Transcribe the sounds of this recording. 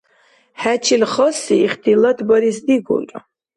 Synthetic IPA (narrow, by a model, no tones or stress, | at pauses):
hæt͡ʃʰilχɔsiːχd̪ʰilat̪ʰbɔɾisd̪iɡṵkʼ